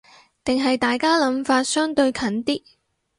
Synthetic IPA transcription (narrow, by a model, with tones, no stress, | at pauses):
t̪ɪ˨ŋɦɐ˨jt̪aː˨jkaː˥lɐ˨˧˥mfaː˧t̚sœː˥ŋt̪ɵ˧ɥkʰɐ˨˥nt̪iː˥